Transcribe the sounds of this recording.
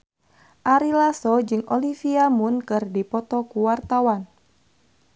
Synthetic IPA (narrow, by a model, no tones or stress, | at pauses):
ʔaɾilasɔd͡ʒɨŋɔlifiamunkɨrdipɔt̪ɔkuwart̪awan